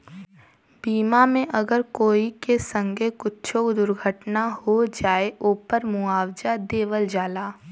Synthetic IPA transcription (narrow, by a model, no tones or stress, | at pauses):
biːmamẽʔɐɡəɾkoːikesə̃ŋɡʱekʊtːt͡ʃʰokd̪ʊɾɡʱəʈnahod͡ʒaːeʔoːpəɾmuaːwd͡ʒad̪eːʋəld͡ʒaːlaː